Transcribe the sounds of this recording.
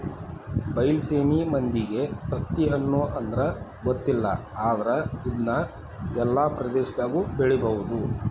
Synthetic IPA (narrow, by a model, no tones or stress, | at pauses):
bɐjlseːmimɐnd̪iɡe̞t̪ɐt̪ːiɐnːuʔɐnd̪ɐɾɐɡot̪ːilːɐ̰aːd̪ɐɾɐid̪nɐ | ɛlːaːpɾɐd̪eːʃd̪aːɡubeɭibɐʋud̪u